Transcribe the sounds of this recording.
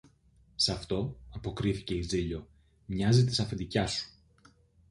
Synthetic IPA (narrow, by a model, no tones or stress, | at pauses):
sɐft̪o̞ɐpo̞kɾiθice̞iziʎo̞ | mɲɐzit̪̬i̥sɐfind̪icɐsu̥